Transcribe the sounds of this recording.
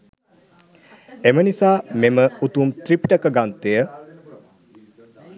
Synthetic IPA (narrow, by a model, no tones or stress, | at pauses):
emənisaːmeməut̪umt̪ripiʈəkəɡant̪ejə